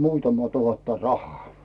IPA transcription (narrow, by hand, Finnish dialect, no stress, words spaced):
muːtɑmɑ tuhɑtːɑ rɑhˑɑː